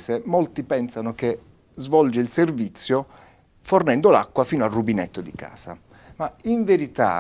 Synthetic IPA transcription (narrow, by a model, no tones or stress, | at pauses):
semolt̪ipɛnsanoke | zvɔld͡ʒeilservit̪sːjo | fornɛnd̪olakːwafiːnoalrubinɛt̪ːod̪ika̰ːsa̰ | maiɱveɾit̪a̰